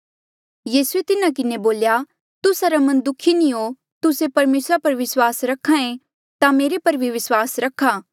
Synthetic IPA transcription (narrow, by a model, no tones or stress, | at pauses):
jiːsuet̪ɪnakɪneboːlja | t̪ʊsaɾamɐ̃nd̪ʊkʰinĩɦo | t̪ʊsepɐɾmeːsɾapɐɾʋɪswaːsɾɐkʰãẽ | t̪ameːɾepɐɾbʱiʋɪswaːsɾɐkʰaː